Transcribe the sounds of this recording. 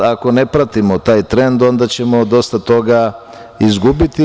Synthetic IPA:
ako̞ne̞pɾat̪imo̞t̪aːjt̪ɾe̞nd̪o̞nd̪at͡ɕe̞mo̞d̪o̞st̪at̪o̞ɡa | izɡubit̪i

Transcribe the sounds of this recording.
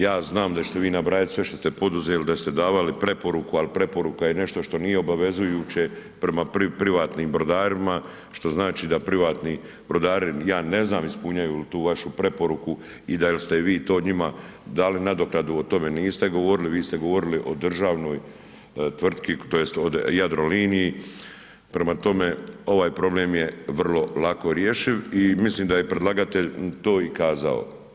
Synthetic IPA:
jaːznaːmd̪at͡ɕet̪e̞ʋiːnabɾaːjat̪sʋe̞ʃt̪o̞st̪e̞po̞d̪uzeːlid̪ast̪e̞d̪aːʋalipɾe̞po̞ɾukualipɾe̞po̞ɾukajene̞ʃt̪o̞ʃt̪o̞nije̞o̞baʋe̞zujuːt͡ɕe̞pɾe̞mapɾipɾiʋaːt̪niːmbɾo̞d̪aːɾima | ʃt̪o̞znaːt͡ʃiːd̪apɾiʋaːt̪ni | bɾo̞d̪aːɾijaːne̞znaːmispuɲajult̪uːʋaʃupɾe̞po̞ɾuku | id̪ajelst̪eʋiːt̪o̞ːɲima | d̪aːlinad̪o̞klad̪uot̪o̞me̞niːst̪e̞ɡo̞ʋo̞ɾiliʋiːst̪e̞ɡo̞ʋo̞ɾiliʔo̞d̪r̩ʒaːʋno̞ːj | t̪ʋr̩t̪kit̪o̞je̞st̪od̪jad̪ɾo̞liːniji | pɾe̞mat̪o̞me̞o̞ʋaːjpɾo̞bleːmjeʋr̩lo̞lako̞ɾjeʃiʋimisliːmd̪ajepɾed̪laːɡat̪eʎt̪o̞ːikaːza̰o̰

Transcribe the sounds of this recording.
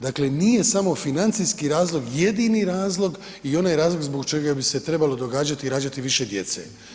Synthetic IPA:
d̪akle̞nije̞samo̞finant̪sijskiɾaːzlo̞ɡje̞d̪iniɾaːzlˠo̞ɡ | io̞naːjɾaːzloɡzboɡt͡ʃe̞ɡabise̞t̪ɾe̞balo̞d̪o̞ɡaːd͡ʒat̪iɾaːd͡ʒat̪iʋiʃe̞d̪je̞t̪sḛ

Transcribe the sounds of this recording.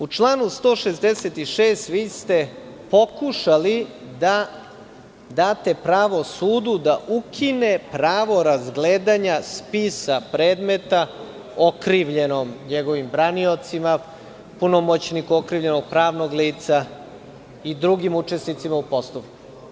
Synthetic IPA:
ut͡ʃlˠaːnust̪o̞ːʃezd̪e̞set̪iʃeːst̪ʋiːst̪e̞ | po̞kuʃali | d̪a | d̪aːt̪e̞pɾaːʋosuːd̪ud̪aʔukʰinepɾaːʋo̞ɾazɡleːd̪aɲaspisapɾeːd̪me̞t̪a | o̞kɾiʋʎe̞nomɲeɡo̞ʋimbɾaniot̪sima | punomot͡ɕnikuokɾiʋʎe̞no̞ɡ̚pɾaːʋnoɡliːt̪sa | id̪ɾuɡimut͡ʂe̞snit̪simaupo̞st̪oʋku̥

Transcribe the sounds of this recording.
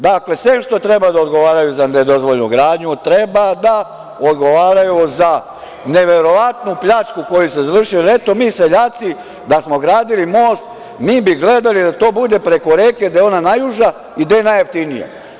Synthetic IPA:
d̪akle̞sʋemʃt̪o̞t̪ɾe̞bad̪aod̪ɡo̞ʋaːɾajuzane̞d̪o̞zʋo̞ʎʲnṵɡɾaːd̪ɲut̪ɾe̞bad̪a | o̞d̪ɡo̞ʋaːɾajuza | neʋe̞ɾo̞ʋat̪nupʎat͡ʃkuko̞juse̞zaʋr̩ʃiolet̪o̞miːse̞ʎaːt̪si | d̪asmo̞ɡɾaːd̪ilimo̞ːst̪ | miːbiɡle̞d̪alid̪at̪o̞ːbud̪e̞pɾe̞ko̞ɾe̞ːked̪ajeo̞nanajuʒa | id̪ajenajeft̪inijḛ

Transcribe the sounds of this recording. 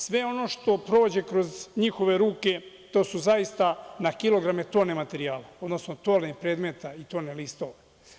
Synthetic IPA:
sʋe̞o̞no̞ʃt̪o̞pɾo̞d͡ʑe̞kɾo̞zɲixo̞ʋe̞ɾuːke̞ | t̪o̞ːsuzaist̪anakilo̞ɡɾamet̪o̞ne̞mat̪eɾiaːlao̞d̪no̞snot̪o̞ːlepɾeːd̪me̞t̪ait̪o̞nelist̪o̞ʋe

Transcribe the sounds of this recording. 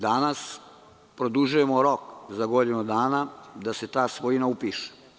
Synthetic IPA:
d̪anas | pɾod̪uʒuje̞moɾokzaɡo̞d̪inud̪aːnad̪ase̞t̪aːsʋoinaupiːʃe̥

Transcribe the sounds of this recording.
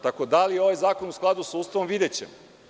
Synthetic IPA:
t̪akod̪alijeo̞ʋajzaːko̞nusklˠad̪usauːst̪aʋomʋid̪et͡ɕḛm

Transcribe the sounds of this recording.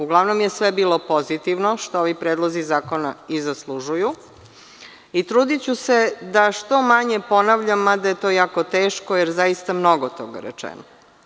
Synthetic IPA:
uɡlˠaʋnomjesʋebiːlˠo̞po̞zit̪iʋnoʃt̪ooʋipɾeːd̪lˠo̞zizaːko̞naizaslˠuʒuju | it̪ɾuːd̪it͡ɕuse̞d̪aʃt̪o̞maɲepo̞naʋʎamːad̪ajet̪o̞jaːkot̪eːʃkojeɾzaist̪amno̞ɡot̪o̞ɡa̰ɾɛ̰t͡ʂɛ̰no

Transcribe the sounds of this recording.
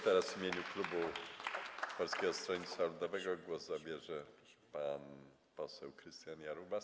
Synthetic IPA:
t̪ɛɾazvimʲjeɲuklubu | pɔlskʲɛɡɔst̪ɾɔɲisalud̪ɔvɛɡɔɡwɔzzabʲjɛʐɛpan | pɔsɛwkɾɘst̪janjaɾubas

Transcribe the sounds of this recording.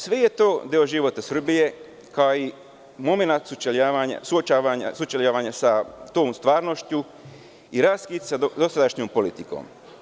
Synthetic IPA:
sʋeje̞t̪o̞ːd̪ioʒiʋot̪asr̩bije̞ | kaoi | mo̞menat̪sut͡ʃeʎaːʋaɲa̰suot͡ʃaʋaɲa̰sut͡ʃeʎaʋaɲasat̪oːmst̪ʋaːɾnoʃt͡ʃu | iɾaskit̪sad̪o̞sad̪aʃɲoːmpo̞lit̪iko̰ːm

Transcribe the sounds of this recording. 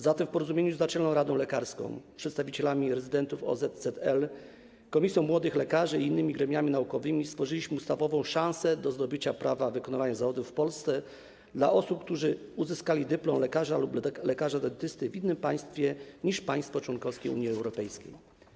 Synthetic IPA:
zat̪ɛfpɔɾɔzumʲeɲuzat͡ʂɛlnɔ̃w̃ɾad̪ɔ̃w̃lɛkaɾskɔ̰̃w̃pʂɛt̪st̪avʲit͡ɕɛlamʲiɾɛzɘd̪ɛnt̪ufɔ̰zɛt̪zɛt̪ɛl | kɔmʲisjɔ̃w̃mːwɔd̪ɘxlɛkaʐɘiːnːɘmʲiɡɾɛmʲjamʲinaukɔvɘmʲist̪fɔʐɘlʲiɕmɘust̪avɔvɔ̃w̃ʂãñsɛd̪ɔzd̪ɔbɘt͡ɕapɾavavɘkɔnavaɲazavɔd̪ufpɔlst̪sɛ | d̪la̰ʔɔsup̚k̚t̪uʐɘuzɘskalʲid̪ɘplɔmlɛkaʐalublɛkaʐad̪ɛnt̪ɘst̪ɘvʲinːɘmpaj̃st̪fʲjɛɲiʂpaj̃st̪fɔt͡ʂwɔnkɔfskʲejṵɲiɛwɾɔpɛjskʲḛj

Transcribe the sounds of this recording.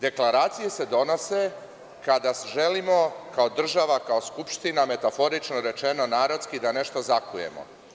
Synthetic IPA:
d̪e̞klˠaɾaːt̪sije̞se̞d̪o̞no̞se̞ | kad̪asʒe̞limo̞kaod̪r̩ʒaʋakaoskupʃt̪iname̞t̪afo̞ɾit͡ʃnoɾe̞t͡ʃenonaːɾot̪skid̪ane̞ʃt̪o̞zakuje̞̰mo̞̰

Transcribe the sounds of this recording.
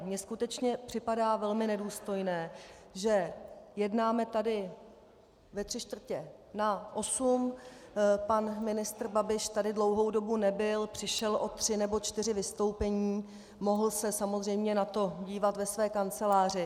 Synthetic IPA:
mɲɛskut̪ɛt͡ʃɲɛpr̝̥ɪpadaːvɛlmɪnɛduːst̪o̞jnɛː | ʒɛjɛdnaːmɛt̪adɪ | vɛt̪r̥ɪʃt̪vr̩cɛ | naʔo̞sum | panmɪnɪst̪rbabɪʃt̪adɪdlowɦo̞wdo̞bunɛbɪlpr̥ɪʃɛlʔo̞t̪r̝̥ɪnɛbo̞t͡ʃt̪ɪrɪvɪst̪o̞wpɛɲiː | mo̞ɦl̩sɛsamozr̝ɛjmɲɛnat̪o̞ɟiːvat̪vɛsvɛːkant͡sɛlaːr̝ɪ

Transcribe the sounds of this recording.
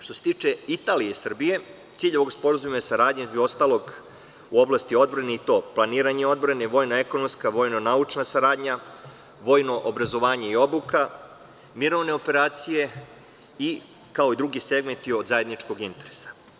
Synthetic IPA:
ʃt̪o̞set̪iːt͡ʂe̞it̪aːlijeisr̩bije̞ | t̪siʎeʋo̞ɡspo̞ɾazumasaɾaːd̪ɲezost̪aːlˠo̞ɡ | uo̞blˠast̪io̞d̪̚bɾaneit̪o̞ːplˠaniːɾaɲe̞o̞d̪bɾane̞ʋo̞ːjnoe̞ko̞nomskaʋo̞ːjno̞naut͡ʂnasaɾaːd̪ɲa | ʋo̞ːjno̞ʔobɾazo̞ʋaːɲe̞io̞buka | miɾo̞ʋne̞ope̞ɾaːt̪sije̞ | i | kao̞id̪ɾuɡise̞ɡment̪iod̪zaje̞d̪nit͡ʂko̞ɡint̪e̞ɾe̥sḁ

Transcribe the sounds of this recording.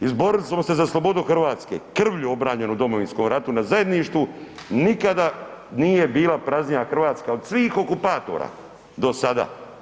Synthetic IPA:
izbo̞ɾilismose̞zaslˠo̞bo̞d̪uxr̩ʋaːt̪ske̞̰kr̩ʋʎuo̞bɾaːɲe̞nud̪o̞moʋinsko̞mɾat̪unazaje̞d̪niʃt̪ʋunikad̪anije̞biːlapɾaznɲijaxr̩ʋaːt̪skaod̪sʋiːxo̞kupaːt̪o̞̰ɾa̰ː | d̪o̞sad̪a̰ː

